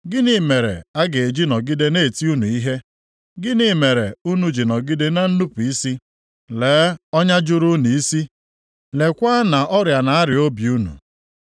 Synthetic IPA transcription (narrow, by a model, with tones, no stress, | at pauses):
ɡɪ˦ni˨˦me˨ɾḛ˨a˦ɡe˨e˨d͡ʒi˦nɔ˨ɡɪ˦de˦ne˦˨ti˦u˦nu˨i˦ɦe˦ | ɡɪ˦ni˦me˨ɾe˨u˦nu˦d͡ʒi˨nɔ˨ɡɪ˦de˦na˦n̩˦nu˦pu˨i˦si˦ | leː˨˦ɔ˦ɲa˦d͡ʒʊ˦ɾu˦nu˨i˦si˦ | le˨kʷa˦na˨ʔɔ˦ɾja˨na˨a˦ɾɪ˨o˦bju˦nṵ˨